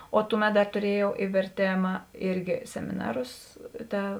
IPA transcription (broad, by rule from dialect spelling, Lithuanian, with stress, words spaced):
oː ˈtʊˌmʲɛt ˈdɐr tʊˈrʲiɛjɛʊ ɪ ʋʲɛrʲˈtʲeːmɐ ˈɪrʲɡʲɪ sʲɛmʲɪˈnɑːrʊs ˈtɐ